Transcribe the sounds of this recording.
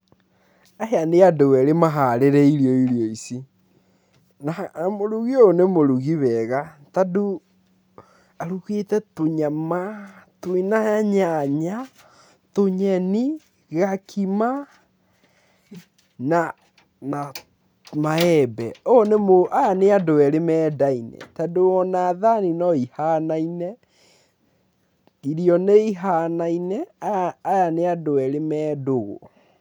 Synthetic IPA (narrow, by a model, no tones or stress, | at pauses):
aɦeaneadowɛɾemaɦaɾeɾɛiɾiɔiɾiɔisi | namoɾuɣionemoɾuɣiβɛɣatadu | aɾuketɛtoɲamatoinaaɲaɲa | toɲɛni | ɣakʰima | na | na | maɛbɛonemoʔajaneadoɛɾemɛːdainɛ̰tadoɔnaðaninɔihanainɛ | iɾiɔneiɦanainɛajaneadowɛɾemɛːdoɣo̰